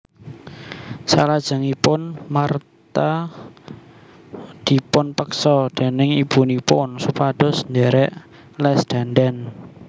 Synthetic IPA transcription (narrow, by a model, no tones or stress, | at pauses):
sa̰lad̥ʒ̥ə̤ŋipʊnmart̪a | d̪̥i̤pʊnpəksɔd̪̥e̤nɪŋib̥unipʊnsupad̪̥ʊ̤snd̪eɾɛʔ | lɛsd̪̥a̤ndɛn